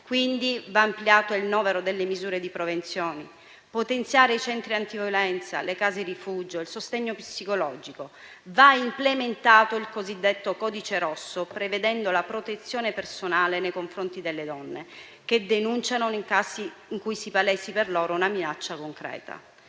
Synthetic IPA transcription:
kwind̪ivaːmpljaːt̪oilnɔːmeɾod̪elːemizuːɾed̪ipɾovent̪sjoːni | pot̪ent̪sjaːɾeit͡ʃɛnt̪ɾiant̪ivolɛnt̪sa̰lekaːzeɾifud͡ʒoilsost̪ɛɲːopisːikolɔːd͡ʒiko | vaimplement̪aːt̪oilkozid̪ːet̪ːokɔːd̪it͡ʃeɾɔsːopɾeved̪ɛnd̪olapɾot̪et̪sːjoːnepersonaːlenejkoɱfɾont̪id̪elːed̪ɔnːe | k̟ed̪enunt͡ʃanonikaːsiiŋkujsipalɛsiperlɔːɾounaminat͡ʃːakoŋkɾɛ̰ːt̪a̰

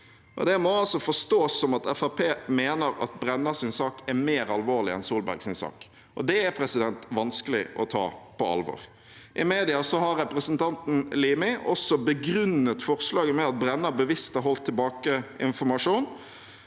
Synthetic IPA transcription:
ʔɔ̰d̪ɛmɔɑlsɔfɔʂt̪oːsːɔmɑt̪ɛfæpʰeːmeːnəɾɑ̰t̪̚bɾɛnːəsɪnsɑːkɛɾmeːɾɑlʋoːʁlɪɛ̰nsuːlbæ̰ɾɡsɪnsɑ̰ːk | ʔɔd̪ɛæpʰɾɛsɪd̪ɛnt̪ʋɑnskəlɪ̰ʔɔt̪ʰɑ̰ːpʰɔɑ̰lʋɔ̰ːɾ | ʔɪmeːd̪ɪɑsɔhɑɾːɛpɾəsənt̪ɑnt̪n̩liːmɪʔɔ̰sɔbəɡɾʉnːət̪fɔɾslɑːɡəmɛɑt̪̚bɾɛnːəbəʋɪst̪ɛɾɦɔlt̪ʰːɪlbɑːkəɪ̰nfɔɾmɑʂuːn

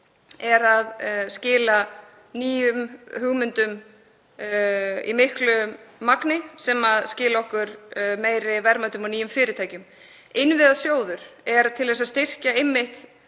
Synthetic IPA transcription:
ɛɾaðscɪːla | niːjʏmhʏɣmʏnt̪ʏm | ḭmɪhklʏːaknɪsɛmaðscɪːlaɔhkʏɾmeːjɾɪvɛɾmat̪ʏmɔniːjʏmfɪːɾɪt̪ʰaːjcʏm | ɪnvɪðaðsjoːwðʏɾ̥ɛɾt̪ʰɪlvɛs̬ast̪ɪr̥caejmːɪht̪

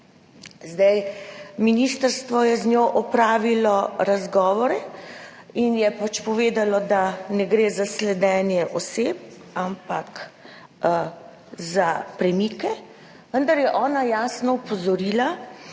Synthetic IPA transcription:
zd̪ajminiːst̪əɾst̪ʋɔjɛznʲjoːʔɔpɾaːʋilɔɾazɡɔːʋɔɾɛ | injɛpat͡ʃpɔʋeːd̪alɔd̪anɛɡɾeːzaslɛd̪ɛːnjɛʔɔseːp̚ | ampak | zapɾɛmiːkɛ | ʋənd̪aɾjɛʔɔːnajaːsnɔupɔzɔɾiːla

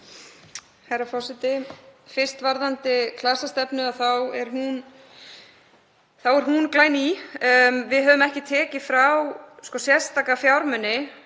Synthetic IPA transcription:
hajɾafɔsɪt̪ɪfɪr̥st̪vaɾðant̪ɪkʰlasast̪ɛpnʏaθawɛɾ̥hun | θawɛɾɦunklaːjni | vɪðɦœːvʏmɛhcɪt̪ʰɛːcɪfɾawskɔsjɛ̥st̪aːkafjawɾmʏnːɪ

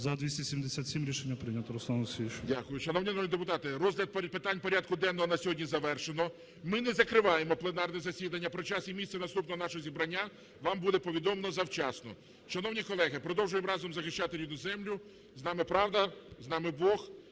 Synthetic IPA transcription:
zɐd̪ʋʲisʲtʲesʲimd̪esʲat̪ʲsʲimɾʲiʃenʲːɐpɾɪnʲɐt̪ɔɾɔslˠansʲʋʲiʃdʲakʊjʊʃɐnɔwnʲinɔmʲid̪epʊt̪ɑt̪ɪrɔzɦlʲɐd̪̚ppɪt̪ɑnʲpɔɾʲad̪̚kʊd̪ɛnːɔɦɔnɐsʲɔɦɔdʲnʲizɐʋɛrʃenɔ | mɪnɛzɐkɾɪʋɑjemɔplˠenɑrnɛzɐsʲid̪ɐnʲːɐpɾɔt͡ʃɑsimʲisɛnɐst̪upnɔɦɔnɑʃɔɦɔzʲibɾɐnʲːa | ʋɑmbud̪ɛpɔʋʲid̪ɔmenɔzɐwt͡ʃɑsnɔ̰ | ʃɐnɔwnʲikɔlˠɛɦɪpɾɔd̪ɔwʒʊjemɾɑzɔmzɐxɪʃt͡ʃat̪ɪɾʲinɔzɛmlʲʊ | znɑmɪpɾɑwd̪ɐznɑmɪbɔx

